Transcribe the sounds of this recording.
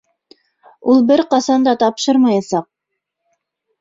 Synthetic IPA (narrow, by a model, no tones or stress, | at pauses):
ulˠbɘɾqɑsɑnd̪ɑt̪ɑpʃɤɾmɑjɑsɑq̚